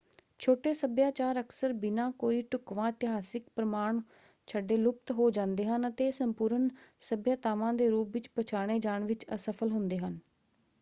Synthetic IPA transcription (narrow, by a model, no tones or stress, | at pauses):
t͡ʃʰoːʈeːsəbjaːt͡ʃaːɾəksəɾbɪnãːkoːiːʈʊkʋãːɪt̪ɪɦaːsɪkpɾəmaːɳ | t͡ʃʰəɖːeːlʊp̚t̪ɦoːd͡ʒãːnd̪eːɦənət̪eːsəmpuːɾənsəbjaːt̪aːʋãːd̪eːɾuːpʋɪt͡ʃpət͡ʃʰaːɽ̃eːd͡ʒaːɳʋɪt͡ʃəsəpʰəlɦʊnd̪eːɦən